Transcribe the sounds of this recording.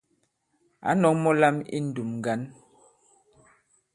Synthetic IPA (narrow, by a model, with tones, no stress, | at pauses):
a̰˨˦nɔ˨˦kmɔ˦la˦mḭ˦n̩˨du˨mŋ˨ɡa˨˦n